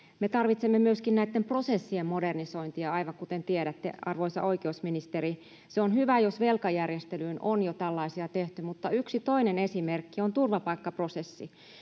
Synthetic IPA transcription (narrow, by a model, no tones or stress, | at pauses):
met̪ɑrʋit̪semːemyøskinnæit̪ːempro̞sesːiemmodernisoint̪iɑɑiʋɑŋkut̪ent̪ieɾæt̪ːḛɑrʋoisɑ̰oikeusminist̪eɾi | seonhyʋæjosʋelkɑjærjest̪elyːno̰njot̪ælːɑisiɑt̪eht̪ymut̪ːɑyksit̪o̞inenesimerkːiont̪urʋɑpɑikːɑprosesːi